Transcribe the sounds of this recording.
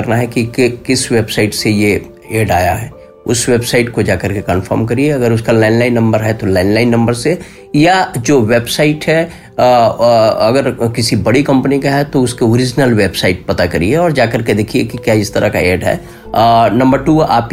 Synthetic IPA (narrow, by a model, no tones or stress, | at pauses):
əɾnaɦɛkikkɪsʋeːbsaɪʈseje | eːɖaːjaɦɛː | ʊsʋeːbsaɪʈkod͡ʒaːkəɾkekə̃nfʰə̰ːɾmkɐɾieɐɡəɾʊskalaːɪnlaːɪnːɐ̃mbəɾɦɛt̪olaːɪnlaɪnːɐ̃mbəɾse | jad͡ʒoːʋeːbsaɪʈɦɛ | ɐɡəɾkɪsibɐɽikɐ̃mpənikaɦɛt̪oʊskeoːɾɪd͡ʒnəlʋeːbsaɪʈ̚pɐt̪akɐɾḭɛɔːɾd͡ʒaːkəɾked̪eːkʰiekikjaːɪst̪əɾʔaka̰eːɖɦɛ̰ː | nɐ̃mbəɾʈuːa̰ːp